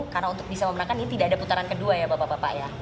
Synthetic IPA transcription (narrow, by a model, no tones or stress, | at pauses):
karnaunt̪ʊk̚bisaməmənakaninit̪idaːdaput̪aɾankəduajabapapapa̰ʔja